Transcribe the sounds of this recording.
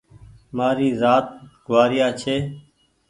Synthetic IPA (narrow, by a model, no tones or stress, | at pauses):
maːɾiːzaːt̪̚ɡʱʊʋaːɾɪjaːt͡ʃʰeː